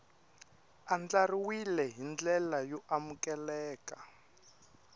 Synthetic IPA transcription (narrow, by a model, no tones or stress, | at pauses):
and͡ɮariwilɛɦind͡ɮɛlajɔʔamukɛlɛːka